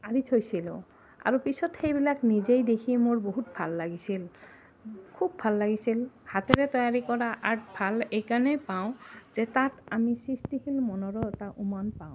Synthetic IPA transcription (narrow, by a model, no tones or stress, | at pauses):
aɹitʰojsilʊ̰̃ | a̰ɹupisɔtxejbilaknizejdekʰimoɹboɦut̚bʱalːaɡisil | kʰub̚ːʱalːaɡisilhatɛɹɛtɔjaɹikɔɹaʔaɹtbʱalejkanɛpaʊ̃zɛtatamisɹistikʰilmɔnɔɹɔɛtaʔumanpaʊ̃